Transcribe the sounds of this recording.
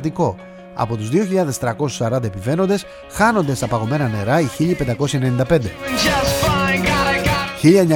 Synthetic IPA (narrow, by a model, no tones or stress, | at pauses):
t̪iko̞ | ɐ̰po̞t̪uzðioçiʎɐðest̪ɾɐko̞su̥sɐɾɐnd̪ɐepive̞no̞nd̪e̞s | xɐno̞nd̪e̞st̪ɐpɐɣo̞me̞nɐne̞ɾɐiçiʎipend̪ɐko̞siçɐe̞ne̞nind̪ɐpe̞nd̪e̞d͡ʒsfa | çiʎɐeɲɐ